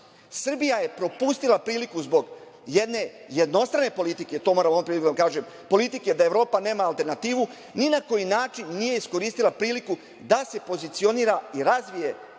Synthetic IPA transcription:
sr̩bijajepɾo̞pust̪ilapɾiːlikuzbo̞ɡ | jed̪ne̞je̞d̪no̞st̪ɾane̞po̞lit̪ike̞t̪o̞moɾamonupɾilikud̪akaːʒem | po̞lit̪ikejed̪aeʋɾo̞ːpane̞ːmaːlt̪e̞ɾnat̪iːʋu | ninako̞jinaːt͡ʃinːije̞isko̞ɾiːst̪ilapɾiːliku | d̪ase̞po̞zit̪sio̞niːɾaiɾazʋije̞

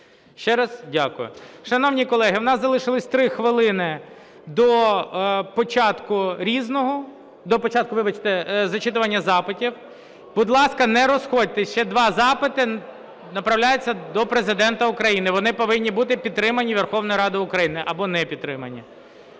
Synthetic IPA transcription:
ʃt͡ʃɛɾɑzdʲakʊjʊ̰ʃɐnɔwnʲikɔlˠɛɦɪwnɑszɐlˠɪʃɪlˠɪsʲt̪ɾɪxʋɪlˠɪnɪ | d̪ɔ | pɔt͡ʃɑt̪kʊɾʲiznɔɦɔ | d̪ɔpɔt͡ʃɑt̪̚kʊʋɪbɐt͡ʃt̪ɛzɐt͡ʃɪt̪ʊʋɐnʲːɐzɑpɪtʲiw | b̥ʊd̪lˠɑskɐnɛɾɔsxɔd̚ʲt̪ɪʃt͡ʃɛd̪ʋɑzɑpɪt̪ɪ | nɐpɾɐwlʲajʊt͡sʲːɐd̪ɔpɾezɪd̪ɛnt̪ɐʊkɾɐjinɪʋɔnɪpɔʋɪnʲːibut̪̬ɪpʲid̪ɾɪmɐnʲiʋerxɔwnɔjiɾɑd̪ɪʊkɾɐjinɪʔɐbɔnɛpʲid̪t̪ːɾɪmɐnʲːi

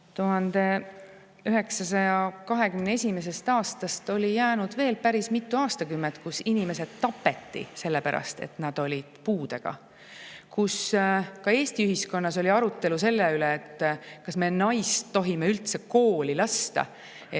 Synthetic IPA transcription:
t̪uɦɑnd̪̥e̞ | yɦe̞ksɑsɑjɑkɑɦe̞kymnee̞sʲime̞s̬e̞st̪ɑːst̪ɑst̪o̞lʲijæːnud̪̥ve̞ːlpæɾismit̪ːuɑːst̪ɑkymːent̪kusinime̞se̞d̪t̪ːɑpːˑe̞t̪ːḭse̞lːe̞pæɾɑ̰st̪e̞̰t̪nɑd̪̥o̞lʲid̪̥puːd̪̥eɡ̥ɑ̰ | kuskɑe̞ːst̪iyɦisko̞nːɑso̞lʲiɑɾut̪ːˑe̞luse̞lːeyleːt̪ːkɑsme̞nɑjst̪ːo̞ɦime̞ylt̪se̞ko̞ːlilɑst̪ɑ̰

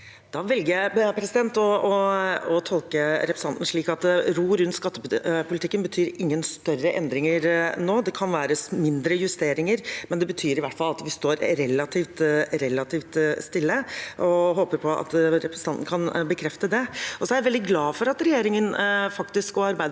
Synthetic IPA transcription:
d̪ɑːʋɛlɡəjæɪpʰɾɛsɪd̪ɛnt̪ɔɔɔt̪ʰɔlkəɾɛpɾəsɑnt̪n̩ʂɭiːkɑt̪̚d̪ɛɾuːɾʉnt̪skɑt̪ːəppʊlɪt̪ɪkːənbət̪ʰyːɾɪŋːənst̪œrəʔɛnd̪ɾɪŋəɾnoːd̪ɛkʰɑnʋæːɾəsmɪnd̪ɾəjʉst̪eːɾɪŋəɾmɛnd̪ɛbət̪ʰyːɾɪʋæʈːfɑlɑt̪ʋɪst̪oːɾɾɛlːɑt̪ʰiːft̪ɾɛlːɑt̪ʰiːft̪st̪ɪlːəʔɔɦoːpəɾpʰɔɑ̰t̪ɾɛpɾəsn̩t̪ɑnt̪n̩kʰɑnbəkʰɾɛft̪əd̪ɛɔsɔæɾæʋɛld̪ɪɡlɑːfɔɾɑt̪ɾɛjeːɾɪŋənfɑkt̪ɪskɔɑɾbæɪd̪

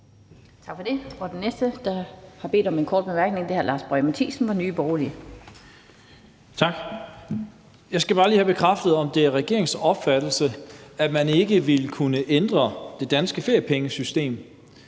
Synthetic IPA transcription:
t͡sʰɑ̈ɡ̥fɒ̽d̥e̝ɒd̥enesd̥əd̥ɑ̈hɑ̈b̥e̝̰ːd̥ɒ̽me̝nkʰɒːd̥̚b̥emæɐɡ̥ne̝ŋd̥e̝hæɐlɑ̈ːsb̥ʁɒmæt͡sʰḭːsn̩ʋɑnyːb̥ɒːli | t͡sʰɑ̈ɡ̥ | jɑ̈ɪsɡ̥æb̥ɑ̈ːliːhæb̥e̝kʰʁafd̥ð̞̩ˠɒ̽md̥e̝æɐʁɛɡ̥e̝ɐ̰e̝ŋsɒ̽b̥fæd̥l̩səæmæne̝ɡ̥əʋelkʰunəʔend̥ʁɐd̥e̝d̥ænsɡ̥əfe̝ɐjəpʰeŋəsysd̥e̝̰ːm

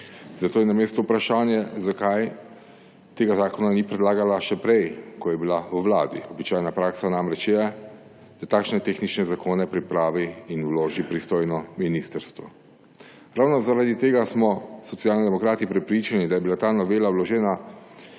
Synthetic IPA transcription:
zat̪oːjɛnameːst̪ɔupɾaʃaːnjɛzakaj | t̪eːɡazaːkɔnanipɾɛd̪laːɡalaʃɛpɾɛjkɔjɛbilauwlaːd̪iɔbit͡ʃaːjnapɾaːksanaːmɾɛt͡ʃjɛ | d̪̥at̪aːkʃnɛt̪eːxnit͡ʃnɛzakʰoːnɛpɾipɾaːʋiːnuloːʒipɾist̪oːjnɔminist̪əɾst̪ʋɔ | ɾaːwnɔzaɾad̪it̪eːɡasmɔsɔt̪sjaːlnid̪ɛmɔkɾaːt̪ipɾɛpɾit͡ʃanid̪ajɛbilat̪anɔʋeːlawlɔʒɛːna

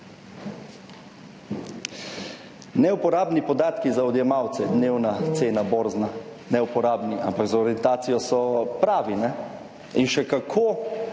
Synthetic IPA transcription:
nɛupɔɾaːbnipɔd̪aːt̪kizaɔd̪jɛmaːwt̪sɛd̪neːwnat̪seːnaboːɾzna | nɛupɔɾaːbniʔampaɡzaɔɾijɛnt̪aːt̪sijɔsɔpɾaːʋinɛ | inʃɛkakʰoː

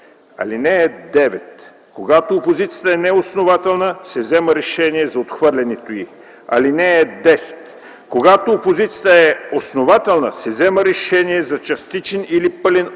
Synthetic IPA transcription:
ɐ̰linɛɛd̪ɛvɛt̪ | koɡat̪oːpozit̪sʲijət̪əɛnɛosnovat̪ɛlˠnəsɛvzɛməɾɛʃɛniɛzɐot̪xvɤɾlʲɛnɛt̪oi | ɐ̰linɛːd̪ɛsɛ̥t̪ | koɡat̪oːpozit̪sʲjət̪əɛosnovat̪ɛlˠnəsɛvzɛməɾɛʃɛniɛzɐt͡ʃɐst̪it͡ʃɛnilipɤlʲɛn

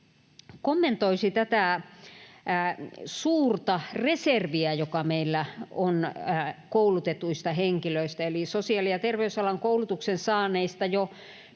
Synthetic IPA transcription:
komːent̪oisit̪æt̪æ | suːrt̪ɑreserʋiæjokɑmeilːæonkoulut̪et̪uist̪ɑheŋkiløist̪æelisosiɑːˑlijɑt̪erʋeysɑlɑŋkoulut̪uksensɑːneist̪ɑjo

